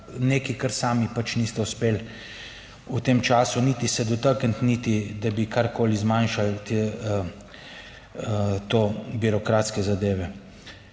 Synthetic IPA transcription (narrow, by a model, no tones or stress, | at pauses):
neːkikəɾsaːmipat͡ʃnist̪ɛuspeːl | ut̪eːmt͡ʃaːsuniːt̪isɛd̪ɔt̪əkənt̪nit̪id̪abikʰaɾkoːlizmanʃalt̪e | t̪obiɾɔkɾaːt̪skɛzad̪eːʋɛ